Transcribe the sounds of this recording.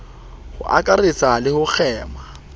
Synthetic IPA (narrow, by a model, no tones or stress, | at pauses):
hʊ̰ʔa̰kʼaret͡salɪhʊk͡xʰɛːma